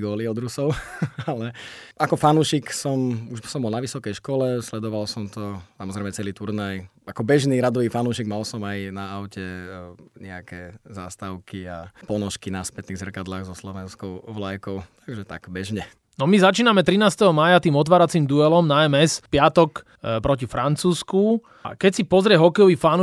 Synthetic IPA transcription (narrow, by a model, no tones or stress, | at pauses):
ɡɔːliɔd̪ɾusɔʊalɛakɔfanuːʃiksɔmuʒsɔmbɔlnaʋisɔkɛjʃkɔlɛslɛd̪ɔʋalsɔmt̪ɔsamɔzɾɛɪmɛt͡sɛliːt̪uɾnajakɔbɛʒniɾad̪ɔʋiːfanuːʃiɡmalsɔmajnaaʊcɛ | ɲɛakɛza̰ːst̪aʊkiapɔnɔʃkinaspɛt̪niːɣzr̩kad̪laːɣzɔslɔʋɛnskɔʊʋlajkɔʊt̪ʰaɡʒɛt̪a̰ɡ̥bɛʒɲɛ | nɔmizat͡ʃiːnamɛt̪ɾinaːst̪ɛɦɔmaːjat̪iːmɔt̪̬ʋaːɾat͡siːmd̪uɛlɔmnaɛmɛspɪat̪ɔk | pɾɔcifɾant͡suːsku | kɛcsipɔzɾɪɛɦɔkɛjɔʋifanu